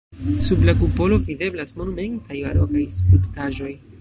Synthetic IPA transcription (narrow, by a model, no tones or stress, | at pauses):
sublakupo̞lo̞vide̞blasmo̞nume̞ntajba̰ɾokajskɾiptaʒo̞j